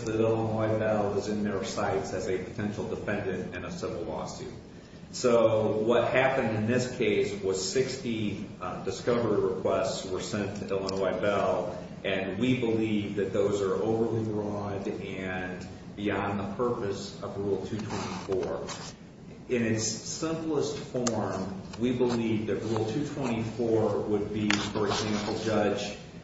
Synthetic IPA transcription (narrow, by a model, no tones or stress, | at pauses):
ðɨɾɪlˠə̃nwaɪbɛlˠɪzɨ̃nðə˞saɪtsɨzɨpʰɨ̥tʰɛ̃nʃl̩ˠdəfɛ̃ndɨ̃nɨ̃nəsɪvl̩ˠlɔ̰sʉ̰d̚ | soʊwʌt̚hæpɨ̃ndɨ̃nðɪskʰeɪswʌz̥sɪkstidɨskʌvə˞iɹɨkʰw̥ɛstswə˞sɛ̃ntʰɨɪlˠə̃nwaɪbɛlˠ | ʔɨ̃nwibəlivðɨt̪̚ðoʊzə˞ʔoʊvə˞liɹɔɾɨ̃n | biɑ̃nðəpʰɜ˞pɨsʌvɹulˠtʰʉtʰw̥ɛ̃ɾ̃ifɔɹ | ɨ̃nɨtsɪ̃mplˠəstfɔɹmwibəlivðɨʔ̚ɹulˠtʰʉtʰw̥ɛ̃ɾ̃ifɔɹwəd̚bifə˞ɨɡzæ̃mpl̩ˠd͡ʒʌ̥d͡ʒ